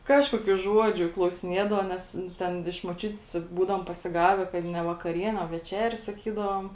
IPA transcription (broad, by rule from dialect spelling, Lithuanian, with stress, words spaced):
ˈkɑːʃkuɔkʲuː ˈʒuɔd͡ʒʲʊ klˠɐʊsʲɪˈnʲiɛdɐʋɐ ˈnʲɛs ˈtʲɛn ɪʃ moːˈt͡ʃʲʊtʲs ˈbuːdɐʋoːm pɐsʲɪˈɡɑːʋʲɛ kɐt nʲɛ ʋɐkɐˈrʲiɛnʲeː oː ʋʲɛˈt͡ʃʲæːrʲeː sɐˈkʲiːdɐʋoːm